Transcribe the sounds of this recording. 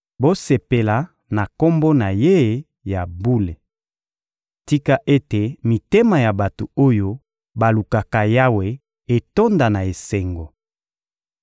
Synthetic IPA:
bo˦se˨pe˨la˨ | na˨ko˦mbo˦na˨je˦ | ja˨bu˦le˨ | ti˦ka˦ʔe˦te˨mi˨te˦ma˨ja˨ba˨to˨o˦jo˦ | ba˨lu˨ka˨ka˨ja˦we˨ | e˨to˦nda˨na˨e˨se˨ŋɡo˨

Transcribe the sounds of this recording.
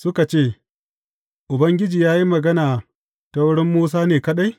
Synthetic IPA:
sʊ˦ka˨t͡ʃeː˦˨ | ʔʊ˨bɐ˦ŋɡʲɪ˦d͡ʒiː˨jaː˦ji˦mɐ˨ɡɐ˦naː˨ | tɐ˦wɽɪ˦mːuː˦s̬aː˦neː˨kɐ˦ɗa˦j

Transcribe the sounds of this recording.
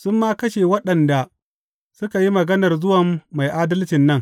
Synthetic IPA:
sʊ˦mːaː˦kɐ˦ʃeː˨wɐ˦ɗɐ˨nda˨ | sʊ˦ka˨ji˦mɐ˨ɡɐ˦nɐ˨rzʊ˦wɐ˨mːa˨jʔaː˦dɐ˦lt͡ʃɪ˨nːɐ˦ŋ

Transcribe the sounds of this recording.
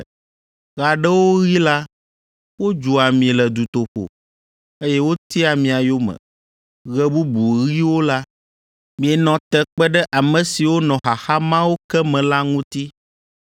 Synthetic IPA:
ɣa˨ɖɛ˦wo˦ɣi˦la˦ | wo˦d͡ʒu˨a˨mĩ˨lɛ˨d̪u˨t̪o˨ɸo̰˨ | e˦jɛ˦wo˦t̪i˦a˨mĩ˨a˨jo˦mɛ̰̃˨ | ɣɛ˦bu˦bu˨ɣi˦wo˦la˦ | mĩ˨ɛ˨nɔ̃˨t̪ɛ˨k͡pɛ˦ɖɛ˦ʔa˨mə̃˨si˨wo˦nɔ̃˨xa˨xa˦mã˦wo˦kɛ˦mɛ̃˨la˦ŋũ˦t̪i˦

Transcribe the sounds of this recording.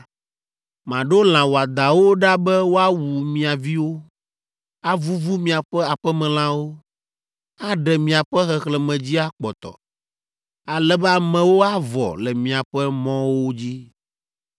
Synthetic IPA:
mã˨ɖo˦l̃ã˨wo˨a˨d̪a˨wo˦ɖa˦bɛ˦wo˦a˦wu˨mĩ˨a˨vi˦wo˦ | a˦vu˦vu˦mĩ˨a˨ɸɛ˦a˨ɸɛ˦mɛ̃˨l̃ã˦wo˦ | a˦ɖɛ˨mĩ˨a˨ɸɛ˦xɛ˨xlɛ˨mɛ̃˨d͡ʑi˦a˦k͡pɔ˨t̪ɔ̰˨ | a˨lɛ˦bɛ˦a˨mɛ̃˨wo˦a˦vɔ̰˨lɛ˨mĩ˨a˨ɸɛ˦mɔ̃˦wo˦d͡ʑi˦

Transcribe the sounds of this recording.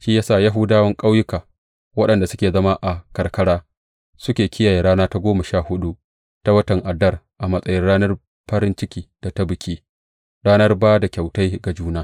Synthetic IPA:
ʃiː˦jaː˦saː˦˨ja˦ɦʊ˦daː˦wɐ˦ŋkʼa˦wjʊ˦kaː˨ | wɐ˦ɗɐ˨nda˨sʊ˦kʲeː˨zɐ˦ma˦ʔa˨kɐ˨rkɐ˦ɽaː˦ | sʊ˦kʲeː˨kʲɪ˦jaː˨jeː˨ɾaː˦naː˦ta˦ɡʷoː˦mɐ˨ʃaː˦hʊ˦ɗu˦ʔ | ta˦wɐ˦tɐ˨ŋʔa˨dɐ˦˨r | ʔa˨mɐ˦sʼɐ˦jɪ˦nɽaː˦nɐ˦r | ɸɐ˦ɾɪ˦nt͡ʃɪ˦kʲiː˨d̥a˨ta˦bɪ˨kʲiː˦ | ɾaː˦nɐ˦rbaː˦da˨kʲa˨wta˦jɡa˨d͡ʒuː˦naː˦

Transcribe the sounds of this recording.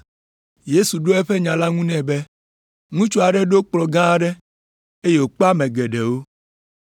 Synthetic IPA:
je˦su˨ɖo˦ɛ˦ɸe˦ɲã˨la˦ŋũ˦nɛ̃˨be˦ | ŋũ˦t͡ʃo˦a˨ɖɛ˦ɖo˦k͡plɔ˨ɡã˦a˦ɖɛ˦ | e˦je˦wo˨k͡po˦a˦mɛ̃˨ɡɛ˨ɖɛ˨wo˦

